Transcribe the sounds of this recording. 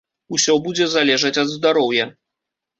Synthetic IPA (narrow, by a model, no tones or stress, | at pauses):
usʲɔbud͡zʲɛzalʲɛʐɐt͡sʲɐd̪zd̪aɾɔwjɐ